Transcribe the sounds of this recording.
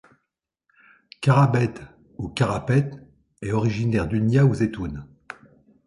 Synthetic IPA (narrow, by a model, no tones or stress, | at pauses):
kʲaʁabɛt̪ | ukʲaʁapɛt̪ | ɛɔʁiʒinɛʁd̪ynjauzet̪un